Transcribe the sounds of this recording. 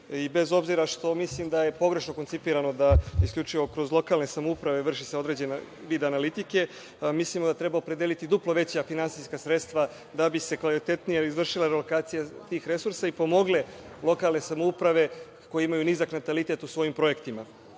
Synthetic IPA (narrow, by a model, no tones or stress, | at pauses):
ibe̞zo̞bziɾaʃt̪o̞mislimd̪aje̞po̞ɡɾe̞ʃno̞ko̞nt̪ipiːɾano̞d̪aiskʎʲut͡ʃiʋo̞kɾo̞zlo̞kalne̞samoupɾaʋe̞ʋr̩ʃise̞o̞d̪ɾe̞d͡ʑe̞na | ʋiːd̪aːnalit̪ike̞ | mislimod̪at̪ɾe̞baopɾeelit̪id̪uplˠo̞ʋe̞t͡ɕjafinansiskasɾe̞t̪st̪ʋa | d̪abise̞kʋalit̪e̞t̪nijeizʋr̩ʃilaɾelokaːt̪sijat̪iːxɾe̞suɾsaipo̞mo̞ɡle̞ | lˠo̞kalˠne̞samoupɾaʋe̞ | ko̞jeimajuniːzaknat̪alit̪e̞t̪usʋo̞jimpɾo̞je̞kt̪ima